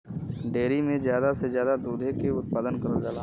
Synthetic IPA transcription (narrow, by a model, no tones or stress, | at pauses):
ɖeːɾimẽzjaːd̪asezjaːd̪ad̪uːd̪ʱekeʊt̪̚paːd̪ənkɐɾəld͡ʒaːla